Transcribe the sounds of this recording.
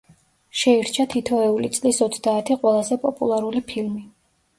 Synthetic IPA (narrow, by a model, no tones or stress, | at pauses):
ʃɛiɾt͡ʃʰat̪ʰit̪ʰɔɛulit̪sʼlisɔt̪sʰd̪aːt̪ʰiqʼwɛlˠazɛpʼɔpʼṵlˠaɾulipʰilmi